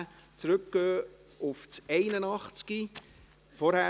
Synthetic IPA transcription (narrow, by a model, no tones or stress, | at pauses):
t͡sɾɵkɡ̥øː | ʊft͡sɛɪnənɑχt͡ski | fɔɾhæ